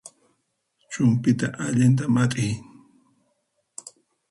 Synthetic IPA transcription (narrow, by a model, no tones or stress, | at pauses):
t͡ʃʊmpɪt̪aʔaʎɪnt̪̬amat̪ʼɪj